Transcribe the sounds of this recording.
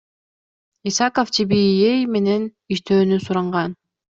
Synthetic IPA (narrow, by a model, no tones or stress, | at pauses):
isɑkoft͡ʃʰibijejme̞ne̞n | iʃt̪øːnysuɾɑɴʁɑn